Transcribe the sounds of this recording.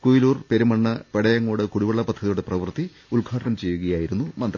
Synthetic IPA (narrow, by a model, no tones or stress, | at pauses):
kujiluːrpe̞ɾumɐɳːɨpeɽɐjɐŋːoːɽɨkuɽiʋɐɭːɐpɐd̪ʱːɐðijuɽeprɐʋɨrt̪ːi | ulkʰaːʈɐnɐmt͡ɕe̞jːuɣɐjaːjiɾunːumɐnd̪rɐ